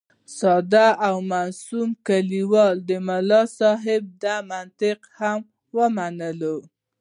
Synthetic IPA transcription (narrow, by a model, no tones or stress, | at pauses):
sɑd̪aʔawmasumkaliwɑld̪əmalɑsɑɦɪb̚d̪amant̪ɪqham | wəmanəlo